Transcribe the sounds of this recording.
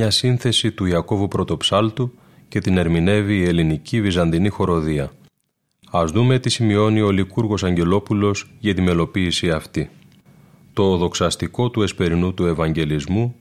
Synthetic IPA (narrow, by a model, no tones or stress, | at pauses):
ɐsinθe̞sit̪uiɐko̞vupɾo̞t̪o̞psɐlt̪u | ce̞t̪ine̞ɾmine̞viːe̞linicivizɐnd̪inixo̞ɾo̞ðiɐ | ɐzðume̞t̪isimio̞nio̞likuɾɣo̞sɐɲɟe̞lo̞pulo̞sʝɐt̪ime̞lo̞piːsiɐft̪i | t̪o̞ːðo̞ksɐst̪iko̞t̪ue̞spe̞ɾinut̪ue̞vɐɲɟe̞lizmu